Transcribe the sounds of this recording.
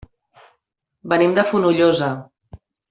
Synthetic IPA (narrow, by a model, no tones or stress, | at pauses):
bənimd̪əfunuʎozə